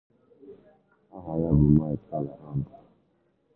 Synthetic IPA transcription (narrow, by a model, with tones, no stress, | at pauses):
a˦ɦa˨ja˦bu˨ma˦˨ɛ˨ta˦˨la˨ʔa˦m˨ba˨